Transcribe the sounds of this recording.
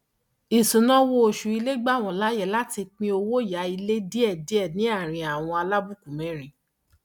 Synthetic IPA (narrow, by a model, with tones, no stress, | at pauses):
i˨sũ˨nã˦wo˧˦o˨ʃu˨i˧le˦ɡ͡ba˦˨w̃ɔ̃˨la˨˦jɛ˦˨la˦ti˧k͡pĩ˧˦o˧wo˦˨ja˨˦i˧le˦di˦ɛ˦˨di˨˦ɛ˦˨nĩ˨˦a˦˨ɾ̃ĩ˨a˨w̃ɔ̃˧a˧la˦bu˦ku˨mɛ̃˨˦ɾ̃ĩ˨